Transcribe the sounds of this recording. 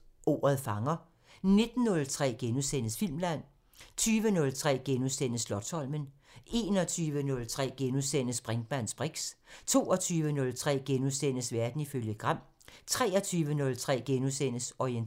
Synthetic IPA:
ʔo̝̰ːɐðˠfɑ̈ŋɐ | ne̝d̥n̩ːɔ̽lt͡sʰʁɛ̰ːɡ̥enusenəsfil̰mlæn̰ | t͡sʰyːʋənɔ̽lt͡sʰʁɛ̰ːɡ̥enusen̰əslɒ̽d̥sɒ̽l̰mən | e̝ːnɒ̽t͡sʰyːʋənɔ̽lt͡sʰʁɛ̰ːɡ̥enusen̰əsb̥ʁɛŋd̥̚mæn̰sb̥ʁeɡ̥st͡sʰo̝̰ːɒ̽t͡sʰyːʋənɔ̽lt͡sʰʁɛ̰ːɡ̥enusen̰əsʋæɐd̥n̩iføljəɡ̥ʁɑm̰ | t͡sʰʁɛ̰ːɒt͡sʰyːʋənɔ̽lt͡sʰʁɛ̰ːɡ̥enusen̰əsɒien

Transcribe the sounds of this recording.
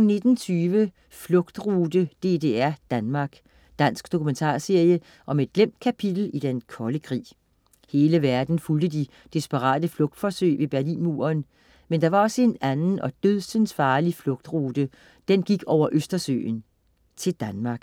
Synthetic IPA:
nːe̝d̥n̩t͡sʰyːʋə | flɔ̽ɡ̥d̥ʁuːd̥əd̥e̝de̝ːæɐd̥ænmɑ̈ːɡ̥ | d̥æn̰sɡ̥d̥o̝kʰument͡sʰɑ̰̈ːse̝ɐ̰jə | ʔɒ̽me̝d̥̚ɡ̥lem̰d̥̚kʰæpʰid̥l̩id̥enkʰɒ̽ləkʰʁḭː | he̝ːləʋæɐd̥n̩fuld̥əd̥i | d̥isb̥əʁɑ̰̈ːd̥əflɔ̽ɡ̥̚d̥fɒ̽sø̰ːɪʋe̝b̥æɐlḭnmṵɐn | mend̥ɑ̈ʋɑ̈ɒ̽səe̝nænn̩ʔɒ̽d̥øðˠsənsfɑ̈ːliflɔ̽ɡ̥̚d̥ʁuːd̥ə | d̥enɡ̥iɡ̥ɒʊ̰ɐʔøsd̥ɐsø̰ːn | t͡sʰe̝ld̥ænmɑ̈ːɡ̥

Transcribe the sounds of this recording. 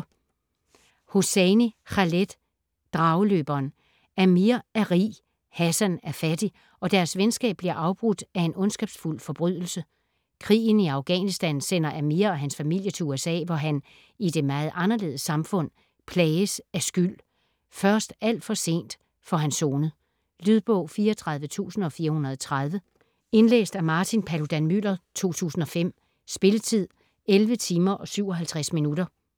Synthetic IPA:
hoseniχɑled̥ | d̥ʁɑ̈ʊəløːb̥ɐn | æmiɐæʁḭː | hæsænæɐfæd̥i | ɒ̽d̥æɐsʋensɡ̥ɛ̰ːb̥̚liɐʔɑ̈ʊb̥ʁud̥æe̝nɔ̽nsɡ̥ɛːb̥sful̰fɒ̽b̥ʁyð̰ˠl̩sə | kʰʁḭːn̩iɑ̈ʊɡ̥ɛ̰nisd̥ænsen̰ɐʔæmiɐɒɦænsfæmil̰jət͡sʰe̝uesɛ̰ːʋɒɦæn | ide̝mɑ̈ːð̞̩ˠʔɑ̈nɐle̝ːð̩ˠəsɑ̈mfɔ̽n̰ | pʰlɛːɪəsæɐsɡ̥yl̰ | fɶɐsd̥æl̰d̥fɒ̽se̝̰ːnd̥ | fɒ̽ɦænso̝ːnə | lyð̞ˠb̥ɔʊ̰fiːɐɒt͡sʰʁɑ̈ð̞ˠʋət͡sʰṵːsn̩ɒ̽fiːɐhunɐð̞̩ˠɒ̽t͡sʰʁɑð̞ˠʋə | e̝nlḛːsd̥æɐmɑ̈ːt͡sʰinpʰælod̥ænmylɐt͡sʰo̝̰ːt͡sʰṵːsn̩ɒ̽fem̰ | sb̥e̝lət͡sʰið̞̰ˠ | elʋət͡sʰiːmɐʔɒ̽syʊ̰ɒ̽ɦælt͡sʰʁasminudɐ

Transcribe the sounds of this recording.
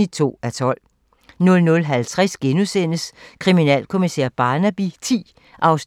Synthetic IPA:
it͡sʰo̝̰ːæt͡sʰɒ̽l̰ | nɔ̽lnɔ̽lɦælt͡sʰʁasɡ̥enusen̰əskʰʁiminɛ̰ːlkʰo̝misḛɐ̰b̥ɑ̈ːnæb̥it͡sʰḭː | ʔɑ̈ʊs

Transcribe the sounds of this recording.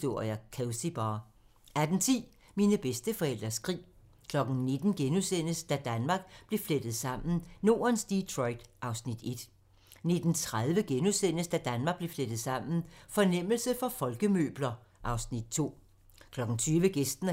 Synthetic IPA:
d̥o̝ɐ̰jækʰæʊsib̥ɑː | æɐd̥ent͡sʰḭː | minəb̥esd̥əfɒ̽el̰d̥ɐsɡ̥ʁḭː | kʰlɒ̽ɡ̥n̩ne̝d̥n̩ɡ̥enusen̰əsd̥æd̥ænmɑ̈ːɡ̥̚b̥le̝fled̥ð̞̩ˠsɑ̈m̰n̩no̝̰ːɐnsd̥it͡sʰʁɔɪd̥ʔɑ̈ʊsnid̥e̝d̥ | ne̝d̥n̩t͡sʰʁaðˠʋəɡ̥enusen̰əsd̥æd̥ænmɑ̈ɡ̚b̥le̝fled̥ð̩ˠsɑ̈m̰n̩fɒ̽nem̰l̩səfɒ̽fɒ̽lɡ̥əmø̰ːb̥lɐʔɑ̈ʊsnid̥̚t͡sʰo̝̰ː | kʰlɒ̽ɡ̥n̩t͡sʰyːʋəɡ̥esd̥n̩

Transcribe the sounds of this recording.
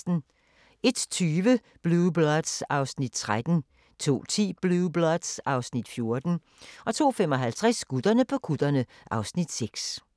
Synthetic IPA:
d̥n̩ | e̝d̥t͡sʰyːʋə | b̥lub̥lɒd̥sɑ̈ʊsnid̥̚t͡sʰʁad̥n̩ | t͡sʰo̝̰ːt͡sʰḭːb̥lub̥lɒd̥sɑ̈ʊsnid̥fjo̝ɐd̥n̩ | ʔɒ̽t͡sʰo̝̰ːfemɒ̽ɦælt͡sʰʁasɡ̥ud̥ɐnəpʰɒ̽kʰud̥ɐnə | ʔɑ̈ʊsnid̥seɡ̥s

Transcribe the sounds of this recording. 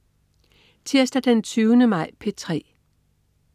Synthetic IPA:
t͡sʰeɐsd̥æd̥ent͡sʰyːʊənəmɑ̈ɪ̰pʰe̝t͡sʰʁɛ̰ː

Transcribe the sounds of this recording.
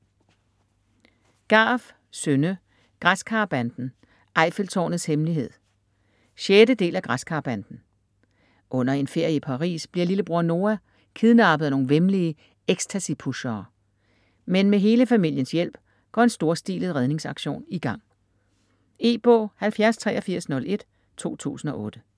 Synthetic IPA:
ɡ̥ɑ̈ːf | sønə | ɡ̥ʁaskʰɑ̈ːb̥ænd̥n̩ | ʔɑ̈ɪ̰felt͡sʰɒ̰ːnð̩ˠshemliɦe̝ð̰ˠ | ɕedəd̥e̝̰ːlæɡ̥ʁaskʰɑ̈ːb̥ænd̥n̩ | ʔɔ̽n̰ɐe̝nfe̝ɐ̰jəipʰɑ̈ʁḭːsb̥liɐliləb̥ʁuɐ̰no̝ːæ | kʰiðˠnɑ̈ːb̥əð̩ˠɐno̝ːn̩ʋemliə | eɡ̥stʰæsipʰuɕɐː | menmeɦe̝ːləfæmil̰jənsjel̰b̥ | ɡ̥ɒ̰ːe̝nsd̥o̝ɐsd̥ḭːlð̩ˠʁɛð̞ˠne̝ŋsɑ̈ɡ̥ɕo̝̰ːniɡ̥ɑ̈ŋ̰ | e̝̰ːb̥ɔ̰ːhælfjæɐst͡sʰʁɛ̰ːɒfiɐ̰snɔ̽le̝d̥ | t͡sʰo̝̰ːt͡sʰṵːsn̩ɒ̽ʔɔ̽ːd̥ə

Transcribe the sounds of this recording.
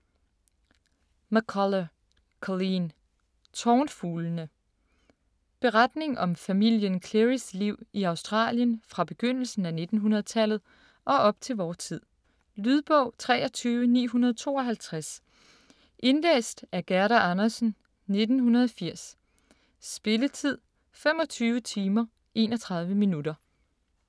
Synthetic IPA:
mækʰɒlə | kʰɒlin | t͡sʰɒːnfuːlnə | b̥e̝ʁɑd̥ne̝ŋʔɒ̽mfæmil̰jənkʰleʁisliʊ̰iɑ̈ʊsd̥ʁɑ̰̈ːljənfʁɑ̈b̥e̝ɡ̥øn̰l̩sn̩æne̝d̥n̩ɦunɐð̩ˠt͡sʰæl̰ð̩ˠ | ʔɒ̽ʔɒ̽b̥̚t͡sʰe̝lʋɒːt͡sʰið̰ˠ | lyð̞ˠb̥ɔʊ̰t͡sʰʁɛ̰ːɒ̽t͡sʰyːʋənḭːɦunɐð̞ˠt͡sʰo̝̰ːɒ̽ɦælt͡sʰʁas | ʔe̝nlḛːsd̥æɐɡ̥æɐɾɐʔɑnɐsn̩ | ne̝d̥n̩ɦunɐðˠɒfiɐ̰s | sb̥e̝lət͡sʰið̞̰ˠ | fem̰ɒ̽t͡sʰyːʊət͡sʰiːmɐ | ʔe̝ːnɒt͡sʰʁɑ̈ð̞ˠʋəminud̥ɐ

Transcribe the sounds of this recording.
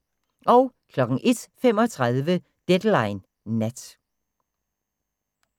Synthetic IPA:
ʔɒʊkʰlɒ̽ɡ̥ŋ̩ʔe̝d̥fem̰ɒ̽t͡sʰʁaðˠʋə | d̥ed̥lɑ̈ɪnː | æd̥

